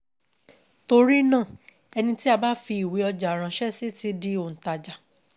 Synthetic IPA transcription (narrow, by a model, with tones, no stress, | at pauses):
to˧ɾi˦nã˦˨ | ɛ˧nĩ˧ti˦a˧ba˦fi˧i˨we˨˦ɔ˧d͡ʒa˨ɾ̃ã˨˧ʃɛ˦si˦ti˧˦di˧o˨n̩˨ta˨d͡ʒa˨